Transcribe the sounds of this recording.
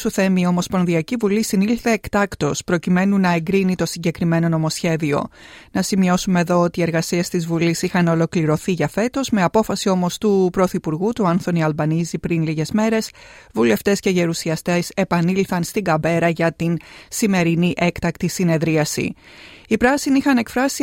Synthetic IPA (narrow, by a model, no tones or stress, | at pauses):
suθe̞mio̞mo̞spo̞nðiɐcivulisinilθe̞ːkt̪ɐkt̪o̞spɾo̞cime̞nunɐe̞ŋɡɾinit̪o̞siɲɟe̞kɾime̞no̞no̞mo̞sçe̞ðio̞̰nɐsimio̞sume̞ðo̞ot̪ieɾɣɐsiest̪izvulisixɐno̞lo̞kliɾo̞θiʝɐfe̞t̪o̞zme̞ɐpo̞fɐsio̞mo̞st̪upɾo̞θipuɾɣut̪uɐnθo̞niɐlbɐnizipɾinliʝe̞zme̞ɾe̞svule̞ft̪e̞sce̞ʝe̞ɾusiɐst̪e̞se̞pɐnilθɐnst̪iŋɡɐbe̞ɾɐʝɐt̪insime̞ɾiniʔe̞kt̪ɐkt̪isine̞ðɾiɐsḭipɾɐsiniixɐne̞kfɾɐsi